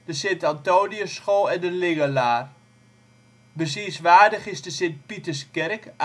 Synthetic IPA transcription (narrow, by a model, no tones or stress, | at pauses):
d̥əsɪntantoːdiəsχolˠɛndəlɪɡəlaːr | bəsiəsʋaːdəχɪsdəsɪnt̚pitəskɛrk